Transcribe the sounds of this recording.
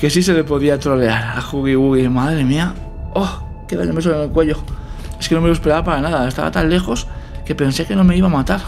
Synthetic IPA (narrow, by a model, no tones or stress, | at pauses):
kes̬is̬e̞lepo̞ðiat̪ɾo̞le̞aɾaxuɣiɣuɣimaðɾe̞mia | o | keða̰ʎomes̬olenelkwe̞ʎo̞e̞ske̞no̞me̞lospeɾaβapaɾanaðae̞st̪a̰βa̰t̪anle̞xo̞s | ke̞pe̞nse̞ke̞no̞me̞iβamat̪aɾ